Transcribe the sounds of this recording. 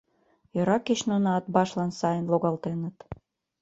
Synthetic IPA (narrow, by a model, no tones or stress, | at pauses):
jøɾɑket͡ɕnunɑːt̪bɑʃlɑnsɑjənloɣɑlt̪enət̪